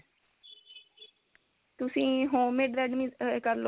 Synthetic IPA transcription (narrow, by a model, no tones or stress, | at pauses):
t̪ʊsĩːɦõːmːɪɖɾɛːɖmiːkəɾlo